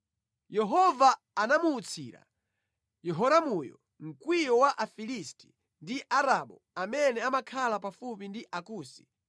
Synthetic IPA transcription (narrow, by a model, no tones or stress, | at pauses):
jɛɦɔvaː | namuːt͡sʰḭːɾa̰ | jɛɦɔɾamujɔ̰ | m̩kwijɔwaʔafilisti̥ | ndiʔaɾaɓɔ̰ | amɛnɛamakʰalapafupindiʔakuːsi̥